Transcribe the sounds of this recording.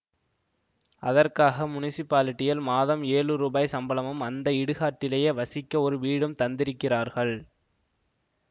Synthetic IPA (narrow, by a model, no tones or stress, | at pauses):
ɐðɐrkaːɣɐmʊnɪsɪpːaːlɪʈːɪjɐlmaːðɐmeːɻɯɾuːbaːjsɐmbɐlɐmɯmɐnd̪ɐɪɽɯɣaːʈːɪlɐjɐʋɐsɪkːɐɔɾɯʋiːɽɯmt̪ɐnd̪ɪɾɯkːɪraːɾɣɐɭ